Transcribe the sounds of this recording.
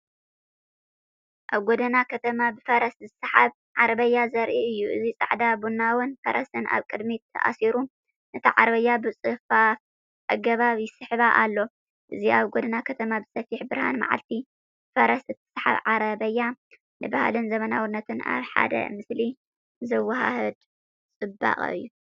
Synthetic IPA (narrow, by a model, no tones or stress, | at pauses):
ʔaβɡod̪ɐnakʰɐt̪ʰɐmabɨfɐɾɐszɨsħaβ | ʕaɾɐβɐjːazɐɾʔiɨjːuʔɨzit͡sʼa̰ʕd̪abunːawɔnfɐɾʔɐsɨnʔa̰βkʼɨd̪mit̪ʰːɐ̰ʔa̰siɾu | nɨt̪ʰiʕaɾbɐjːabɨt͡sʼɨfaf | ʔaɡɐβaβjɪsɨħɨβaʔalːo̞ | ʔɨziʔaβɡod̪ɨnakʰɐt̪ʰɐmabɨ̥sɐfiħbɨɾha̰nma̰ʕa̰lt̪ʰi | fɐɾɐsɨt̪ʰːɨ̥sħa̰βʕaɾɐβɐjːa | nɨbahalɨnzɐmɐnawʊnːɐt̪ʰɨna̰βħa̰d̪ɐ̰mɨsli | zɨwaɦa̰hɨd̪ | t͡sʼɨbːa̰χʼɨ̰jːu